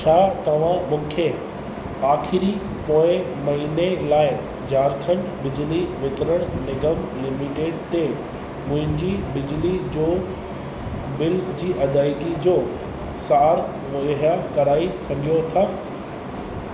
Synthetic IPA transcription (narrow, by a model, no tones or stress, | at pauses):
t͡ɕʰaːt̪ɐʋ̤ãmʊ̃ːkʰe | aːxɪɾi | poːɪ | mɐɦiːnelaːɪ | d͡ʑaːɾkʰən | bɪd͡ʑliʋɪt̪ɪɾəɽ̃nɪɡəmlɪmiʈeːɖt̪e | mʊ̃ɦɪ̃ɲd͡ʑibɪd͡ʑlid͡ʑoː | bɪld͡ʑiːʔɐd̪aːɪkid͡ʑoː | saːɾ | oɦakɐɾaːisɐɡʱijot̪ʰaː